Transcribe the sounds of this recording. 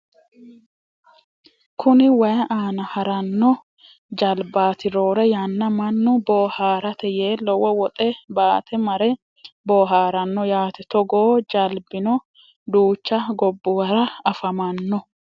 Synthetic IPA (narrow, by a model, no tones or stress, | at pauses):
kʰʊnɪwɐjɐʔaːnɐhɐɾɐnːɔ | d͡ʒɐlbaːt̪ɪɾoːɾɛjɐnːɐmɐnːʊboːhaːɾɐt̪ɛjeːlɔwɔwɔt̪ʼɛbaːt̪ʰɛmɐɾɛ | boːɦaːɾɐnːɔjaːt̪ɛt̪ɔɡoːd͡ʒɐlbɪnɔ | d̪uːt͡ʃːɐɡɔbːʊwɐɾɐɐfɐmɐnːɔ